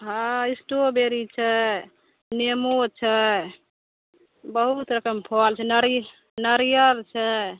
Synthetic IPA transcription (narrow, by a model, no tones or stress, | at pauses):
ɦãisʈobeɾit͡ʃʰɛ | nemot͡ʃʰɛ | bəɦut̪ɾəkəmpʰɔlt͡ʃʰɛnəɾ | nəɾijəɾt͡ʃʰɛ